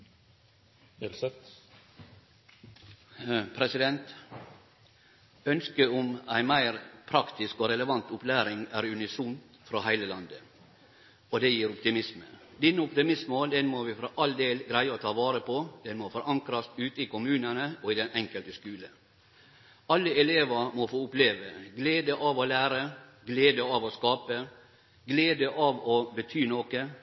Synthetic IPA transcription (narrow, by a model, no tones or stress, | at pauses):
pʰɾɛsɪd̪ɛnt̪ | œnskəʊmæɪnmæɪɾpʰɾɑkt̪ɪskɔɾɛləʋɑnt̪ʊplæːɾɪŋæɾʉnɪsʊnt̪ | fɾohæɪləlɑnd̪ə | ɔd̪ɛjiːɾʊpt̪ɪmɪsmə̰d̪ɪnːəʊpt̪ɪmɪsmmoːld̪ɛnmɔʋɪfɾɔʔɑld̪eːlɡɾæɪəɔt̪ʰɑːʋɑːɾəpʰɔd̪̥ɛnmɔfɔɾɑŋkɾɑst̪ʉːt̪ɪkʊmʉːnənəɔɪd̪ɛnɛŋkəlt̪əskʉːlə | ɑlːəɛleːʋɑmɔfoːʊpleːʋəɡleːd̪əʔɑʋɔlæːɾəɡleːd̪əɑʋɔskɑːpə | ɡleːd̪əʔɑʋɔbət̪ʰyːnoːkə